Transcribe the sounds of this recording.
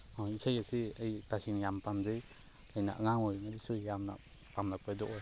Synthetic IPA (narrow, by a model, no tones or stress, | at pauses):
ɔisajasiɯjtasiŋjampamzɯj | lajna̰ʔəŋaŋɔjmadisujamna̰ | pamlak̚ʰajdɔʔɔj